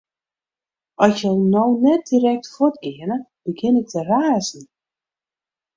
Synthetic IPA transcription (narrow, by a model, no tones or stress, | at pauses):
ɔsəlˠnownɛt̚diːɾɛk̚tfotɡɪənəb̥əɡɪnək̚təraːzn̩